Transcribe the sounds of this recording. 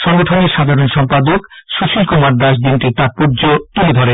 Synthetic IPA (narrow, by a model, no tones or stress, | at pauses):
ʃɔŋɡoʈʰoneɾʃad̪ʱaɾonʃɔmpad̪okʃut͡ɕʰilkumaɾd̪aʃ̬d̪inʈit̪aɾ̚puɾd͡ʑotiid̪ʱɔɾe